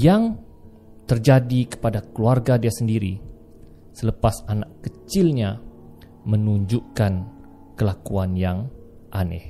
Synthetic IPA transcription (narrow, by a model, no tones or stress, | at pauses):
jaŋ | t̪ərd͡ʒadikə̥padakəluarɡadiasəndiɾḭ | sələpasanakːət͡ʃɪlɲa | mənuɲd͡ʒukan | kəlakuanjaŋ | ʔanɛ̰h